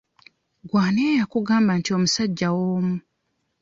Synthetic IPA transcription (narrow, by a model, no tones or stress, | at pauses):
ɡwaːneːjakuɡaːmbantio̞musaɟːawoːmu